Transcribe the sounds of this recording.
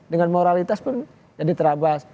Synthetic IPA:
dəŋanmoɾalit̪aspʊn | d͡ʒadit̪əɾabas

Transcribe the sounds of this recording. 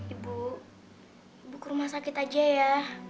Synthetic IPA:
ibu | ibukurmasakit̪ad͡ʒaja

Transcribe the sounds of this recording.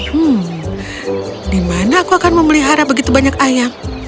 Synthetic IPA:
dimanaːkuakanməməliɦaɾabəɡit̪ubaɲakajaŋ

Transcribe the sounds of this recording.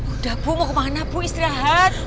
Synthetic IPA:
ud̥abumɔkəmaanabuist̪iɾaɦat̪̚

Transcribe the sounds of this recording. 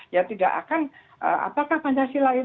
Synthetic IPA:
jat̪idaʔa̰kan | ʔə̰a̰pakahpaɲd͡ʒasilai

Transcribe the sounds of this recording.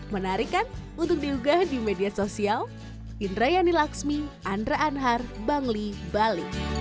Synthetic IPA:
mənaɾikanunt̪ʊk̚diuɡahdimediasosial | inɾajanilaksmiandɾaːnɦarbaŋlibali

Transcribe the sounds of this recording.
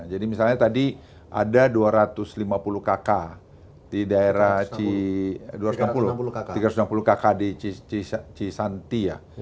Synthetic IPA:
d͡ʒadimisalɲat̪adi | ʔa̰daduaɾat̪ʊslimapulukaka | didaeɾaht͡ʃiduaɾatusnampuluiɡaɾat̪usnampulukakadit͡ʃit͡ʃit͡ʃisant̪ija̰

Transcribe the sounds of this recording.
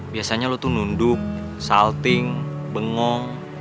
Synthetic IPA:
biasaɲalot̪unundʊk̚ | salt̪ɪŋ | bəŋɔŋ

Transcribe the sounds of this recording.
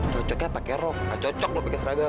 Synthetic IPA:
t͡ʃɔt͡ʃɔkɲapakɛrɔk̚ŋat͡ʃɔt͡ʃɔk̚lɔhpikɛsəɾaɡa

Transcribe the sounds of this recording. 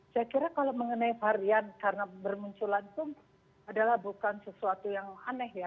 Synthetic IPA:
sajakiɾakalaməŋənajfaɾiankarənabərmuɲt͡ʃulant̪ʊŋ | adalahbukansəsuat̪ujaŋanɛhja

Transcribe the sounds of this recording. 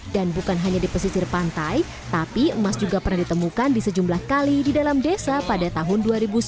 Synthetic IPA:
danbukanɦaɲadipəsisɪrpant̪aj | t̪apiəmasd͡ʒuɡapərnahdit̪əmukandisəd͡ʒumlahkalididalamdesapadat̪aɦʊnduaɾibu

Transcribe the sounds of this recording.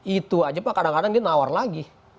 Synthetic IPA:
it̪uad͡ʒapakadaŋkadaŋdinawarlaɡi

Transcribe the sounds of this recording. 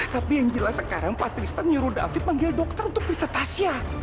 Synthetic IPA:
t̪apijaŋd͡ʒəlasəkaɾaŋpat̪ɾist̪anɲuɾudaːfɪpaŋɡɪldɔk̚t̪ərunt̪ʊk̚pɾisat̪asija

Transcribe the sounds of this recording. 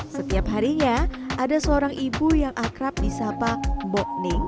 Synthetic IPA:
sət̪iapɦaɾiɲaadasəoɾaŋʔibujaŋʔakɾap̚disapabɔʔnɪŋ

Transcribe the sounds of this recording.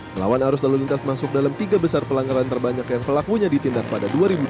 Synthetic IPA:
məla̰wanhaɾʊs̬d̪alulint̪asmasʊk̚dalamt̪iɡabəsarpəlaŋɡaɾant̪ərbaɲakjaŋpəlakuɲadit̪indak̚padaduaɾibu

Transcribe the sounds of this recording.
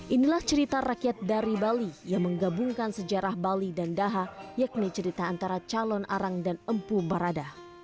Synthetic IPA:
ʔinilaht͡ʃəɾit̪arakijat̪̚daɾibalijaŋməŋɡabuŋkansəd͡ʒaɾahbalidandaɦajak̚nit͡ʃəɾit̪aːnt̪aɾat͡ʃalɔnʔa̰ɾaŋdanəmpubaɾada

